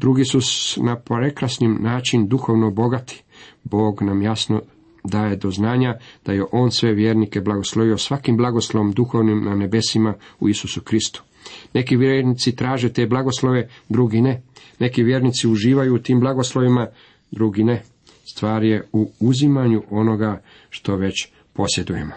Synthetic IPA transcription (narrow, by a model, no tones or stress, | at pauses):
d̪ɾuɡisusnapɾe̞kɾasnimnaːt͡ʃind̪uxo̞ʋnobo̞ɡat̪ʰi̥ | bo̞ːɡnamjasno̞ | d̪aːje̞d̪o̞znaːɲad̪̥ajeʔo̞ːnsʋe̞ʋje̞ɾnike̞blaɡoslˠo̞ʋio̞sʋakimblˠaɡosloʋomd̪uxo̞ʋnimnane̞be̞simaṵisusukɾist̪u̥ | ne̞kiʋjeɾnit̪sit̪ɾaːʒet̪e̞ːblˠaɡo̞slˠo̞ʋe̞d̪ɾuɡine̞ | ne̞kiʋje̞ːɾnit̪siuʒiːʋajuːt̪iːmblaɡoslˠo̞ʋima | d̪ɾuɡine | st̪ʋaːɾje̞uuzimaɲuʔo̞noɡa | ʃt̪o̞ʋe̞t͡ɕ | po̞sje̞d̪uje̞̰mo